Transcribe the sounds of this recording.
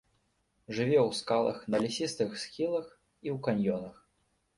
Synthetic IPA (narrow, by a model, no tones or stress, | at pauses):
ʐɨvʲɛwskalˠɐ̰xnɐlʲisʲist̪ɨxsxʲilˠɐx | iwkanʲjɔnɐx